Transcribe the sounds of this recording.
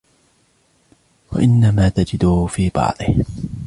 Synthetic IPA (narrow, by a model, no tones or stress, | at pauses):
wa̰ʔɪnːamaːt̪ad͡ʒɪd̪ʊfiːbɑ̰ʕd̪ˤɨh